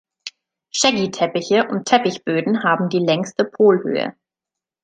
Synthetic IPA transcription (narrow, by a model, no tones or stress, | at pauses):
ʃɛɡitʰɛpɪçəʔʊntʰɛpɪçb̥øːdn̩ɦaːbm̩diːlɛŋstəpʰoːlhø̰ːə̰